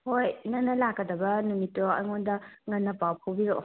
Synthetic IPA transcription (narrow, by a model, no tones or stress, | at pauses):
hojnɐnːɐlakːɐdɐbɐnumitːoɐ̰jŋondɐŋɐnːɐpawpʰowbiɾo